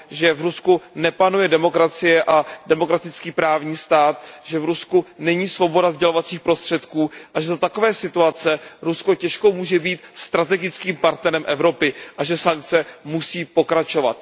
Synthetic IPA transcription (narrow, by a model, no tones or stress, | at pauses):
ʒɛvɾuskunɛpanujɛdɛmo̞kɾat͡sɪjɛʔadɛmo̞kɾat̪ɪt͡skiːpɾaːvɲiːst̪aːt̪ʒɛvɾuskunɛɲiːsvo̞bo̞davzɟɛlovat͡siːxpɾo̞st̪r̝̥ɛt̪kuːʔaʒɛzat̪ako̞vɛːsɪt̪uat͡sɛɾusko̞cɛʃkowmuːʒɛbiːt̪st̪ɾat̪ɛɡɪt͡skiːmpaɾt̪nɛɾɛmʔɛvɾo̞pɪʔaʒɛsaŋk̚t͡sɛmusiːpo̞kɾat͡ʃo̞va̰t̪